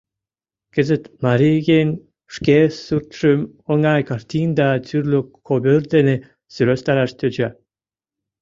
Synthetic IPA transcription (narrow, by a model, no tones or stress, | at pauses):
kəzə̆t̪mɑɾʲiɡʲenʲ | ʂkʲesurt̪ʃəm | oŋɑjkɑrt̪ʲind̪ɑt͡s̪yrlʲøkʰobʲørd̪ene | syɾøst̪ɑɾɑʃt̪ød͡ʑa